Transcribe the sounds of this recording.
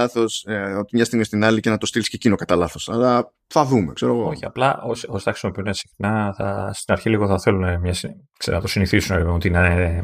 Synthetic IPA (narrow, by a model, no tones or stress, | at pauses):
ɐθo̞so̞t̪imɲɐst̪iɣmist̪inɐlice̞nɐt̪o̞st̪ilisce̞cino̞kɐt̪ɐlɐθo̞sɐlɐ | θɐðume̞̰kse̞ɾo̞ɣooçiɐ̰plɐʔosiosi̥θɐxɾisimo̞piunesi̥xnɐθɐ̰st̪inɐɾçiliɣoθɐθelunemɲɐsi | kseɾinɐt̪osiniθisuneɾivet̪inɐ